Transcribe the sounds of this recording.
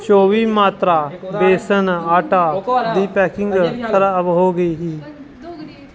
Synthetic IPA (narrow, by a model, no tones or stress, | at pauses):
t͡ʃoːʋiːmaːt̪ɾaːbeːsənaːʈaːd̪iːpɛːkɪŋɡsʰəɾaəʋɦoːɡəiːɦiː